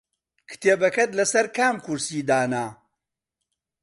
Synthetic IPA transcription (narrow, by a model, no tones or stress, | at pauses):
kʰɨ̥t̪ʰeːbɐkɐt̪lɐsɐɾkʰaːmkuɾsiːd̪aːna